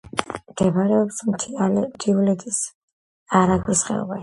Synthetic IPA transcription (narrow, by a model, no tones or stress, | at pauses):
md̪̥ɛbaɾɛɔbsʰmt̪ʰiulɛd̪ʰis | aɾaɡwisχɛ̰ɔ̰ba